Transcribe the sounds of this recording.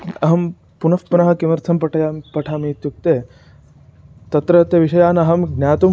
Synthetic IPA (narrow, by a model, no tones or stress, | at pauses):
ɐɦɐm | punɐfpunɐɦɐ̆kimɐɾt̪ʰɐmpɐʈʰɐjaːpɐʈʰaːmiːt̪juk̚t̪eː | t̪ɐt̪ɾɐɐt̪jɐʋiʃɐjaːnɐɦɐmɡnaːt̪um